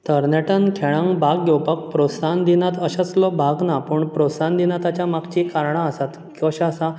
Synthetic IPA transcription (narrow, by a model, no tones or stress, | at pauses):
t̪əɾnɛʈənkʰeɭãŋɡbaɡɡɛwpək̚pɾot̪sand̪inat̪əɕat͡slɔbʱaɡnapuːɳpɾot̪sand̪inat̪at͡ɕjamakt͡ɕikaɾɳaəsat̪ | kiəɕasa